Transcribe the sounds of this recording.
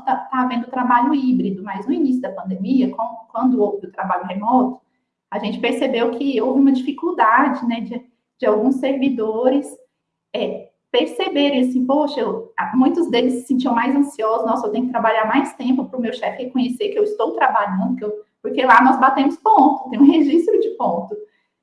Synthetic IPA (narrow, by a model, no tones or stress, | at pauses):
t̪at̪aːvẽnd̪ʊt̪ɾabaʎʊibɾid̪ʊmɐjznʊinis̬jʊd̪ɐpɐ̃nd̪emiɐkɐ̃ʊkwɐ̃nd̪ʊowvɪʊt̪ɾabaʎʊɦemɔt̪ʊ̥ | aʒẽnt͡ʃɪ̥peɾsebewkʰɪowvɪũmɐd͡ʒifikuwd̪ad͡ʒɪnɛd͡ʒɪ | d͡ʒɪawɡũsːeɾvid̪oɾɪs | ɛ | peɾsebeɾẽj̃as̬ĩpoʃɐemũj̃t̪ʊzd̪elɪsːɪ̥sĩnt͡ʃiɐ̃majzɐ̃siɔzʊznɔsʊewt̪ẽjʊkɪt̪ɾabaʎaɾmajst̪ẽmpʊpɾʊmewʃɛfɪhekõɲeseɾkɪewist̪owt̪ɾabaʎɐ̃nd̪ʊkewpoɾkelanɔzbat̪ẽmʊspõt̪ʊ̥t̪ẽj̃ũheʒist̪ɾʊd͡ʒɪpõt̪ʊ